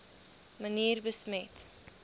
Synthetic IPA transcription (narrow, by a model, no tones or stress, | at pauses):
məniːrbəsmɛt